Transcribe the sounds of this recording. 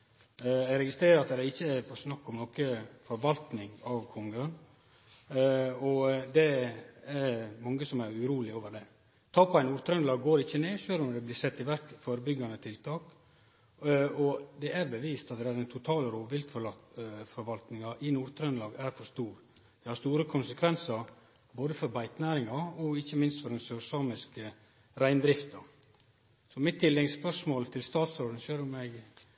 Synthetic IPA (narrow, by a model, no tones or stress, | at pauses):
æɡɾɛɡɪst̪ɾeːɾəɾɑt̪d̪ɛɾɪçːəæpʰɔsnɑkːɔmnɔkəfɔɾʋɑlt̪nɪŋɑʋkʰɔŋɡəən | ɔd̪ɛæɾmɑŋːəsɔmæɾʉɾuːlɪoːʋəɾɖ̪ɛ | t̪ʰɑːpʰɔæɪnuːɾt̪ʰɾœnlɑːɡːoːɾɪçːəneːʂøːɾɔmd̪ɛblɪːsɛt̪ːɪʋæɾkfoːɾəbʏɡːɑnət̪ʰɪlt̪ʰɑːk | ɔd̪ɛʔæɾbəʋiːst̪ɑt̪̚d̪ɛæɾɛɪnt̪ʰʊt̪ʰɑːləɾoːʋɪlt̪ɔfɔɾʋɑlt̪nɪŋɑʔɪnuːɾt̪ʰɾœnlɑːɡæɾfɔɾʂt̪uːɾ | d̪̥ɛhɑɾst̪uːɾəkʰʊnsəkʰʋɛnsɑɾ | boːd̪əfɔɾbæɪt̪næːɾɪŋɑɔɪçːəmɪnst̪fɔɾɛnsœsɑːmɪskə | ɾæɪnd̪ɾɪft̪ɑ | sɔmɪt̪ʰːɪlːɛɡspœʂmoːlt̪ʰɪlst̪ɑːt̪sɾoːd̪n̩ʃøːɾʊmːɛɡ